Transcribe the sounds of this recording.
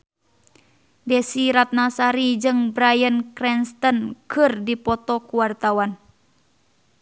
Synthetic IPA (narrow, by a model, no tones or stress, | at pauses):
dɛsiɾat̪̚nasaɾid͡ʒɨŋbɾajənkɾɛnst̪ɔnkɨrdipɔt̪ɔkuwart̪awan